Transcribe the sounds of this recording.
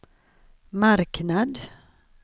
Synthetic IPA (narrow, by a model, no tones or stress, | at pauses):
maɾknad̪